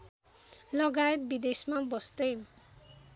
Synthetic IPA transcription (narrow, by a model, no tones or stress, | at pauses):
lʌɡaet̪̚bid̪esmabʌst̪ʌj